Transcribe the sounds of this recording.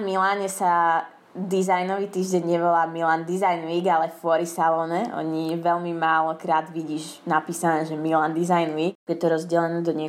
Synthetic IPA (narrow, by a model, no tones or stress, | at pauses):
milaːɲɛsa | d̪iːzajnɔʋit̪iːʒɟɛɲɲɛʋɔlaːmilaːnd̪izajnʋiːɡalɛfʊɔɾisalɔːnɛɔ̰ɲiʋɛʎmimaːlɔkɾaːd̪ʋiɟiːʒ | napiːsanɛːʒɛmiland̪izajnʋiːkbujɛt̪ɔɾɔzɟɛlɛnɛːd̪ɔɲɛ